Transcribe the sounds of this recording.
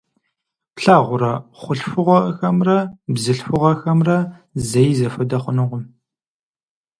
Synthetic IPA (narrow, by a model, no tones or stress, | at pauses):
pɬaːʁʷʊɾɐχʷʊɬfɨʁʷɐʔəxɐmrɐbzɨɬfɨʁɐxɐmrɐzɐjzɐfɐdɐχʷʊnɨʁʷʊm